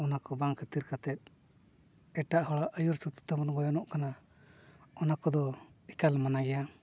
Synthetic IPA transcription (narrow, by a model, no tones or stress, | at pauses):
ɔnakɔbaŋkʰət̪iɾkat̪ɛt̪̚ˀ | ɛʈaʔhɔɽaʔəjɔɾsut̪i̥t̪abɔnɡɔjɔnɔʔkana | ɔnakɔd̪ɔikalmanaɡɛja